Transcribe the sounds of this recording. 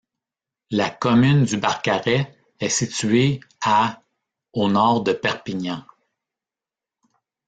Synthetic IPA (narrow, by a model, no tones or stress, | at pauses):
lakɔmynd̪ybaʁkaʁɛ | ɛsit͡sɥea | onɔːʁd̪əpɛʁpiɲɑ̃